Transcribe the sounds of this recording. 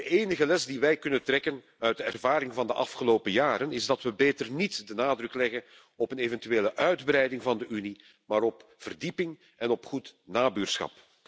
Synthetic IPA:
dəeːnəɣəlɛsdiʋɛjkɵnəntrɛkən | œɥ̚dəɛrvaːɾɪŋvɑndəʔɑ̰fχəloːpəjaːɾənɪzdɑtʋəbeːtərnitdənaːdrɵklɛɣən | ɔpəneːvɛntyeːləʔœɥdbɾɛjdɪŋvɑndəʔyni | maːɾɔpv̥ərdipɪŋ | ɛnɔpχutnaːbyːrsxɑ̰p

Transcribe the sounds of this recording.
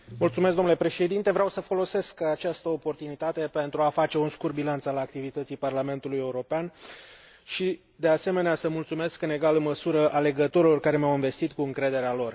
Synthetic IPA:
mult̪sumes̬ɡd̪omnulepɾe̞ʃe̞d̪int̪e̞vɾeawsəfo̞lo̞se̞skat͡ʃast̪əopo̞rt̪unit̪at̪e̞pe̞nt̪ɾuafat͡ʃe̞unskurbilant̪salak̚t̪ivit̪ət̪sijparlame̞nt̪uluje̞uɾo̞pean | ʃi | d̪e̞ase̞me̞neasəmult̪sume̞skɨne̞ɡalɨnməsuɾəʔale̞ɡət̪o̞ɾilo̞rkaɾe̞meawinve̞st̪it̪kuɨŋkɾe̞d̪e̞ɾealo̞r

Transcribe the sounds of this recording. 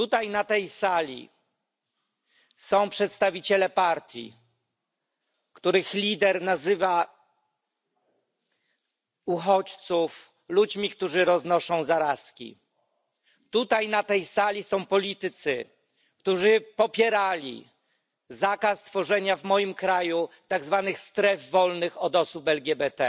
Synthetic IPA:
t̪ut̪ajnat̪ɛjsalʲḭ | sɔ̃w̃pʂɛt̪st̪avʲit͡ɕɛlɛpaɾt̪ʲjḭ | kt̪uɾɘxlʲid̪ɛɾnazɘva | uxɔt͡ɕt̪suf | lud͡ʑmʲikt̪uʐɘɾɔznɔʂɔ̃w̃zaɾaskʲḭ | t̪ut̪ajnat̪ɛjsalʲisɔ̃w̃pɔlʲit̪ɘt̪sɘ | k̚t̪uʐɘpɔpʲjɛɾalʲḭ | zakast̪fɔʐɛɲavmɔjimkɾaju | t̪aɡzvanɘxst̪ɾɛvːɔlnɘxɔd̪ɔsupɛlɡʲɛbɛt̪ɛ

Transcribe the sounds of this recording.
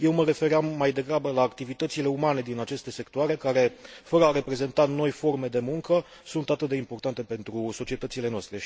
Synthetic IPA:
je̞wməɾe̞fe̞ɾeamːajd̪e̞ɡɾabəlaːkt̪ivit̪ət̪sile̞umane̞d̪inat͡ʃe̞st̪e̞se̞kt̪oaɾe̞kaɾe̞fəɾəaɾe̞pɾe̞ze̞nt̪at̪no̞jfo̞rme̞d̪e̞muŋkə | sunt̪at̪ɨt̪̚d̪eimpo̞rt̪ant̪e̞pe̞nt̪ɾuso̞t͡ʃie̞t̪ət̪sile̞noast̪ɾe̞

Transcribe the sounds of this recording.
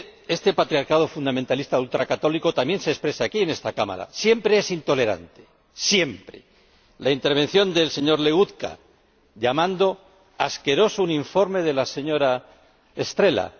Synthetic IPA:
e̞st̪e̞pat̪ɾjaɾkað̞o̞fund̪amẽnt̪alist̪aðult̪ɾakat̪o̞liko̞t̪amje̞nsespɾe̞saːkie̞ne̞st̪akama̰ɾa̰sje̞mpɾe̞esint̪o̞le̞ɾa̰nt̪e̞̥ | sje̞mpɾe̞̰ | laint̪e̞ɾβ̞ẽ̞n̟θjo̞nd̪e̞lseɲo̞ɾle̞ɣuðka̰ | ʎamãnd̪o̞ | aske̞ɾo̞souniɱfo̞ɾme̞ðe̞lase̞ɲo̞ɾa | est̪ɾe̞la̰

